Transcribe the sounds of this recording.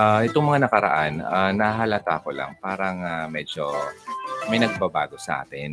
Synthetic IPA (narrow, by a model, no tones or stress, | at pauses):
ʔaʔɛt̪oŋmɐŋanɐkɐɾɐ̰ʔananɐaɦɐlat̪aːkola̰ŋpaːɾɐŋamɛd͡ʒo | mɐɪjnɐɡ̚babaːɡo̞sɐʔa̰ːt̪ɪn